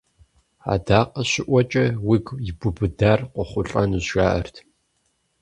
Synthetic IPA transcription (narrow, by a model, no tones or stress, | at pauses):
a̰ːdaːqʼɐɕɪʔʷɔt͡ʃʼɐwiɡjɪbʊbɨdaːrqʷɔχʷʊɬʼɐnuʑʒaːʔɐrtʰ